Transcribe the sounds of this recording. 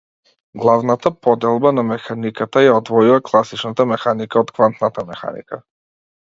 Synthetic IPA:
ɡlˠavnat̪apɔd̪ɛlˠbanamɛxanikat̪ajaɔd̪vɔjuvaklˠasit͡ʃnat̪amɛxanikaɔt̪kvant̪nat̪amɛxa̰nḭka̰

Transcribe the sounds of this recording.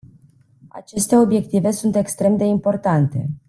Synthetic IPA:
a̰t͡ʃe̞st̪e̞o̞bje̞k̚t̪ive̞sunt̪ekst̪ɾe̞md̪e̞impo̞rt̪ant̪e̞̰

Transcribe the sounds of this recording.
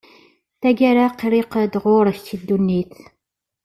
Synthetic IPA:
θæɡaɾaqːɾiqd̪ʁʊɾəçt̪ːid̪ːunːiθ

